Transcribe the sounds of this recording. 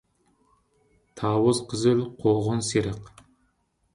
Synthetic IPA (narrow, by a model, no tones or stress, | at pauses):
t̪ʰɑːwəzqʰəzɪlqʰoʁənseɾəq